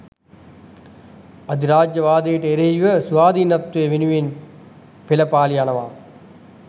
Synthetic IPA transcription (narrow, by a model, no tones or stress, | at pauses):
ɐd̪iɾaːd͡ʒjɐʋaːd̪ɐjiʈɐeɾɐɦiʋəsuʋaːd̪inɐt̪ʋeʋinuʋen | pelɐpaːlianɐʋaː